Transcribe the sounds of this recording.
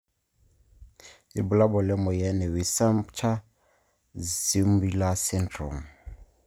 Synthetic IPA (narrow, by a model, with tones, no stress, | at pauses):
i˨bu˨la˦bɔ˨lɛ˦mɔ˨jɛ˦nɛ˨wi˨sa˦mt͡ʃʰa˦ | zi˦m˦bi˦la˦sɛ˦ntrɔ̰˨m